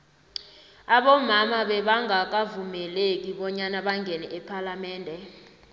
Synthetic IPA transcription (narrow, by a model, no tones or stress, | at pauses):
aɓɔmamaɓɛɓaŋʱak̬avumɛlek̬iɓɔɲanaɓaŋɡɛnɛʔɛpʰalamɛːndʱɛ